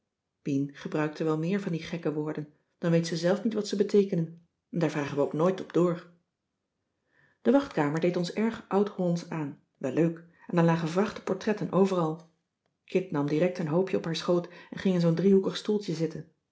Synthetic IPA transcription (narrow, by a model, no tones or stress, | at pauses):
b̥inχəbrœɥk̚təʋɛlˠmɪːɹvɑndiχɛkəʋʊːɹdən | d̥ɑnʋejtsəzɛlˠfnitʋɑtsəbətejkənən | ɛndaːɹvraːχənʋəoʊwknoːjtɔb̚d̥ʊːɹ | d̥əʋɑχtkaːməɹdejtɔnsɛɹχʔʌwtɔnsaːn | ʋɛløɥk | ɛndɑnlaːχənvrɑχtə̥pɔɹtrɛtənʔowvərɑlˠ | kɪtnɑmdirɛk̚tənɦowpjəɔpɦaːɹsχowtɛnχɪŋɪnzowndriɦukəχstulˠtəzɪtən